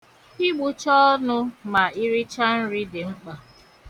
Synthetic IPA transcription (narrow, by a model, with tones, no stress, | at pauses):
i˦ɡ͡bu˨t͡ʃɔ˦nʊ˦ma˨ʔi˦ɾi˦t͡ʃa˦n̩˦ɾi˦dɪ˨ŋ͡m̩˦k͡pa˨